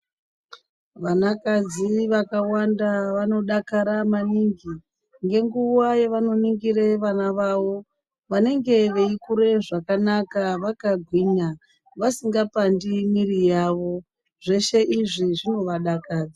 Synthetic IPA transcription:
ʋanakad͡ziʋakawandaʋano̞ɗakaɾamaniŋɡi | ŋɡe̞ŋɡuwajeʋano̞niŋɡiɾe̞ʋanaʋaʋo̞ | ʋane̞ŋɡe̞ʋeikuɾe̞ʐakanakaʋakaɡʱwiːɲa | ʋasiŋɡapandimirijaːʋo̞ | ʐe̞ʃe̞ʔiʐiʐino̞ʋaɗakaːd͡zi

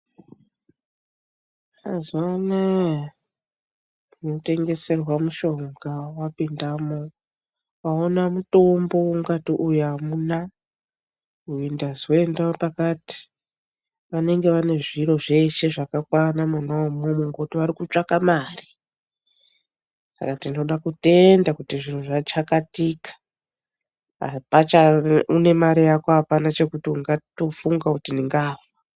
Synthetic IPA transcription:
azana | note̞ŋɡe̞se̞rwamuʃo̞ŋɡawapindamo̞ | ʋaonamuto̞mbo̞ɡatiʔujamuna | ruindazwoendaopakati̥ | ʋane̞ŋɡe̞ʋane̞ʐiɾo̞ʐe̞ʃe̞ʐakakwanamanaomomuŋɡoutiʋaɾikut͡ʂakamaːri | sa̰katino̞ɗakute̞ndakutiʐin̤uʐat͡ʃakatikḁ | a̰pat͡ʃaune̞maɾijakoɦapanat͡ʃe̞kutiuŋɡatofuŋɡakutiniŋɡaːva

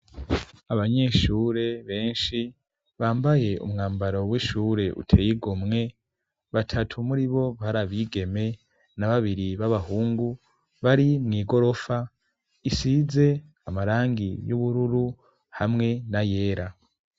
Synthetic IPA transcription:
aβaɲe̞ʃuːɾe̞βe̞ːnʃi | βaːmbaje̞ʔṵmŋaːmbaɾo̞wiʃuɾe̞ʔṵtʰe̞ːjiɡomŋe̞ | βatʰatʰumuɾiβo̞βaɾaβiːɡe̞me̞ | naβaβiɾiβaβahuːŋɡu | βaɾimŋiːɡo̞ɾo̞fa | isize̞ | amaɾaːŋɡijuβuɾuɾu | hamŋe̞naje̞ːɾa

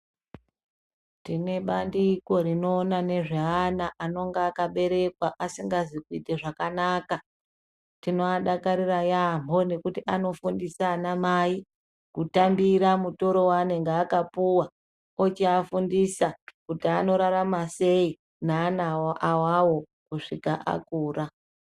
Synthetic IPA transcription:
tine̞ɓandiko̞ɾino̞ːnane̞ʐeanaʔano̞ŋɡeakaɓe̞ɾe̞kwaʔasiŋɡazikuite̞ʐakanaka | tino̞aɗakaɾirajamo̞ne̞kutiano̞fundisaːnamai | kutambiɾamuto̞ɾo̞waneŋɡaːkapuwa | ot͡ʃiafundisakutiano̞ɾaɾamase̞i | naːnawaʔawawo̞ | kuʂikaʔa̰kuːra

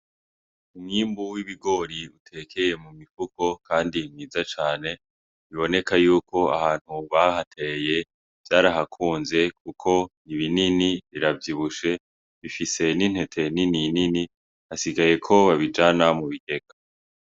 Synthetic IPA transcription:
umŋiːmbuwiβiɡo̞ɾiutʰe̞kʰe̞je̞mumifuko̞kʰaːndimŋiːzat͡ʃaːne̞ | βiβo̞ne̞kajuːkʰo̞ahaːn̥huβahatʰeje̞ | v̥jaːɾaɦakʰuːnze̞k̚ʰukʰo̞niβininiβiɾavjiβuʃe̞ | βifise̞nin̥he̞tʰe̞nininini | asiɡaje̞kʰo̞βaβid͡ʒanamuβite̞ɡ̥a

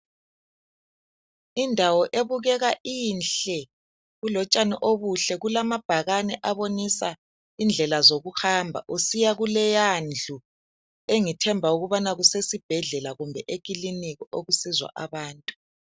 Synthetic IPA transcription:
indʱawɔʔeβuɣɛɣaiːnɬɛ | ɣulɔt͡ʃʼanḭʔoβuɬɛɣulamab̥ʱaɣanɛʔaβonisa | ind͡ɮʱɛlazoɣuxaːmbʱa̰ʔusijaɣulɛjand͡ɮʱu | eŋitʰɛmbʱauɣuβanaɣusesib̥ʱɛɮɛlaɣumbʱɛʔekʼiliniɣɔoɣusizwa̰ʔaβaːntʼu̥

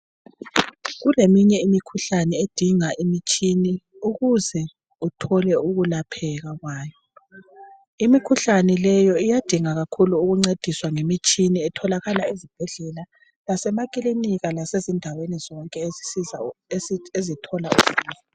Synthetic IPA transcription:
ɣulemiɲɛimikʰuɬanɛed̥ʱiŋaʔimit͡ʃʼini | uɣuzɛ | utʰɔlɛuɣulapʰɛɣaɣwaːjɔ | imikʰuɬanɛlɛjɔijad̥ʱiŋaɣakʰuluːɣuŋ͡ǀed̥ʱiswaŋemit͡ʃʼiniɛtʰɔlaɣalaezib̥ʱɛɮɛla | lasɛmakʼiliniɣalasezindʱawenizɔŋkʼɛiza | ezitʰɔlauz̥i

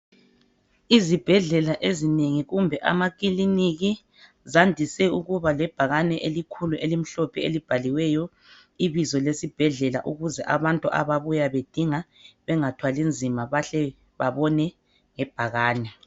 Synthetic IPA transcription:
izib̥ʱɛɮɛlaʔezineŋiɣumbʱɛʔa̰maɣiliniɣi | zandʱisɛuɣuβalɛb̥ʱaɣanɛʔelikʰuluʔelim̩ɬɔpʰɛḛlib̥ʱaliwɛjɔ | iβizɔlesib̥ʱɛɮɛla̰ʔuɣuzɛʔa̰βantʼuʔa̰βaβujaβed̥ʱiŋa | βɛŋatʰwalind͡zʱimaβaɬɛ | βaβɔnɛ | ŋɛb̥ʱaɣaːnɛ

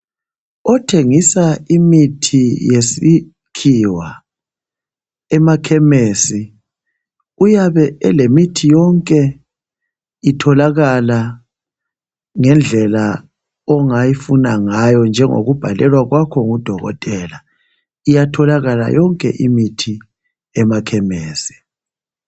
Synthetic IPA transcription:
ɔtʰeŋisaimitʰijesi | kʰiwa | ɛmakʰɛmeːsi | ujaβɛɛlemitʰijɔŋkʼɛ | itʰɔlaɣala | ŋɛnd͡ɮʱɛla | ɔŋajifunaŋajɔnd͡ʒʱɛŋo̰ɣub̥ʱalɛlwaɣwakʰɔŋud̥ʱɔɣɔ̰tʼɛla | ijatʰɔlaɣala̰jɔŋkʼɛ̰ʔimitʰi | ɛmakʰɛmeːsi̥

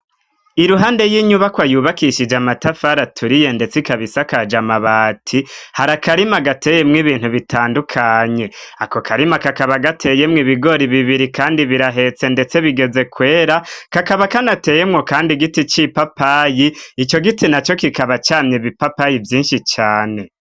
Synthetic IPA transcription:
iɾuɦaːnde̞jiɲuβakwajuːβakiʃid͡ʒamatafaɾatʰuɾije̞nde̞t͡sikaβisakad͡ʒamaβaːtʰihaɾakaɾimaɡatejemŋiβiːn̥huβitʰaːndukʰaːɲe̞ako̞kʰaɾimakakaβaɡatʰe̞jemŋiβiɡo̞ɾiβiβiɾikaːndiβiɾaɦe̞t͡se̞nde̞t͡se̞βiɡeze̞kwe̞ːɾakakaβakanate̞je̞mŋo̞kaːndiɡitit͡ʃipapajiit͡ʃo̞ɡitinat͡ʃo̞kikaβat͡ʃaːmɲeβipapajivjiːnʃit͡ʃaːne̞

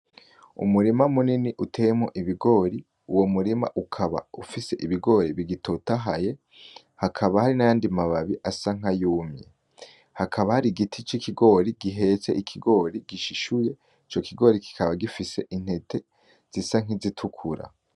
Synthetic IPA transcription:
ṵmuɾimamuniniʔutʰe̞ːjemoʔiβiɡo̞ːɾi | uwo̞muɾima̰ʔukʰaβa̰ufise̞ʔiβiɡo̞ːɾiβiɡitʰotaɦaje̞ | hakʰaβahaɾinajaːndimaβaβiʔasaŋ̥ajuːmjḛ | hakʰaβahaɾiɡitʰit͡ʃikʰiɡo̞ːɾiɡiɦe̞t͡seʔikʰiɡo̞ɾiɡ̥iʃiʃuje̞ | it͡ʃo̞kʰiɡo̞ːɾiki̥kʰaβaɡifise̞ʔin̥he̞tʰe̞ | z̥isaŋ̥izitʰukʰuɾa̰

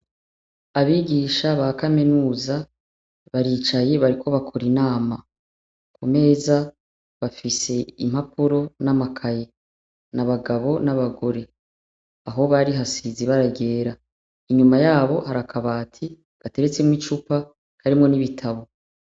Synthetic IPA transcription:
aβiːɟiʃaβakamenuːza | βaɾiːt͡ʃaje̞βaɾikʰo̞βakʰo̞ɾinaːma | kʰume̞ːza | βafise̞im̥hapuɾo̞namakʰaje̞ | naβaɡaβo̞naβaɡo̞ɾe̞ | aɦo̞βaɾiɦasiziβaɾaɟe̞ːɾa | iɲumajaːβo̞ɦaɾakʰaβaːtʰi | bate̞ɾe̞t͡semŋit͡ʃupa | kaɾimŋo̞niβitʰaβo̞

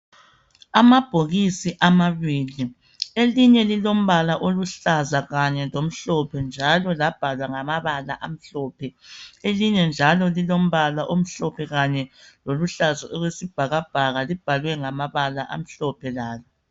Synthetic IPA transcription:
amab̥ʱoɣisiʔamaβiːli | eliɲɛlilom̩βalaʔoluɬazaɣaɲɛlom̩ɬɔpʰɛnd͡ʒʱalɔlab̥ʱalwaŋamaβala̰ʔam̩ɬɔpʰɛeliɲɛnd͡ʒʱalɔlilom̩βalaʔom̩ɬɔpʰɛɣaɲɛloluɬazaʔolwesib̥ʱaɣab̥ʱaɣalib̥ʱalwɛŋamaβalaʔa̰m̩ɬɔpʰɛlaːlɔ

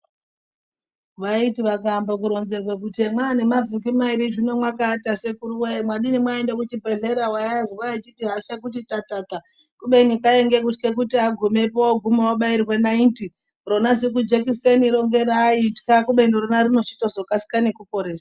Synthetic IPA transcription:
ʋaitiʋakambok̬uɾo̞nze̞rwek̬utemwaːne̞mavʱukimaiɾiʐino̞mwakaːtase̞kuɾuwemwaɗinimwaendek̬utibʱe̞ɮe̞ɾawajaziwaet͡ʃitiɦaʃakut̬itatata | kuɓenikaeŋɡe̞k̬utke̞k̬utiaɡʱume̞powɡʱumowoɓairwe̞nainti | ro̞nazik̬ud͡ʒekiseniɾo̞ŋɡe̞ɾaitkakuɓeniɾonarino̞t͡ʃi̥to̞zo̞kasi̥kane̞kupo̞ɾe̞ːsḁ

